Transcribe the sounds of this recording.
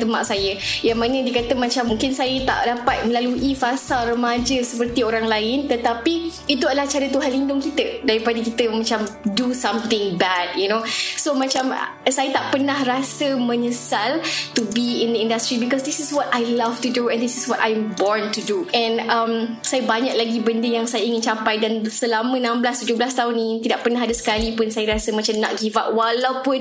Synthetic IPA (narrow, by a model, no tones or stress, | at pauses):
t̪əmaʔsajəjaŋmãnə̃diəkat̪əmãt͡ʃamːũŋkɪnsajət̪a̰ʔdapat̪̚mə̃laluʔifasalrəmad͡ʒəsəpərt̪ioɾaŋlaɪnt̪ət̪apiit̪uadəlaht͡ʃaɾət̪uɦanlindʊŋkit̪ədaɾipadəkit̪əmãt͡ʃamdusãmt̪ɪ̃ŋbɛd̚junosomãt͡ʃam | sajət̪aʔpənahrasəmə̃ɲəsaltubiɪ̃nd̪əĩndastɾibikɔsd̪isɪswɔtajlaftuduɛ̃nd̪isɪswɔtajɛmbɔɹntuduʔɛ̃nãmsajəbaɲak̚laɡibəndəjaŋsajaiŋɪ̃nt͡ʃampajdansəlamə̃nãmbəlast̪ud͡ʒoblast̪aʊnːĩt̪idaʔpənaɦadəsə̥kalipʊnsajəɾasəmãt͡ʃamnã̰ʔɡivaʔwalawpʊn